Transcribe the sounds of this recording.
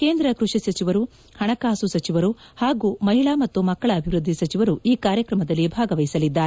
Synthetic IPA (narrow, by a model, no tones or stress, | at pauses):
keːnd̪ɾɐkɾuʂisɐt͡ʃiʋɐɾu | hɐɳɐkaːsusɐt͡ʃiʋɐɾuhaːɡuːmɐɦiɭaːmɐt̪ːumɐkːɐɭɐːbʱiʋɾud̪ʱːisɐt͡ʃiʋɐɾuiːkaːɾjɐkɾɐmɐd̪ɐlːibʱaːɡɐʋɐjisɐlid̪ːaːɾ